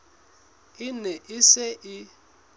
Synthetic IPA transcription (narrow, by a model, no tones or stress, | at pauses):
ɪnɛʔɪseʔɪ